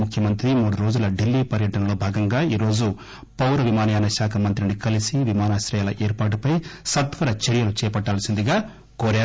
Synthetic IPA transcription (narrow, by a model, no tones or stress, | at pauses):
mukʰjɐmɐnt̪ɾimuːɽuɾo̞ːd͡ʒulɐɖilːiːpɐɾjɐʈɐnɐlo̞ːbʱaːɡɐŋɡaːiːɾo̞ːd͡ʒu | pɐwɾɐʋimaːnɐjaːnɐʋʃaːkʰɐmɐnt̪ɾinikɐlisiʋimaːnaːʃɾɐjaːlɐʔeːɾpaːʈ̬upɐjsɐt̪ʋɐɾɐt͡ʃeɾjɐlut͡ʃɛːjɐpɐʈːaːlɐsind̪iɡaː | koːɾaː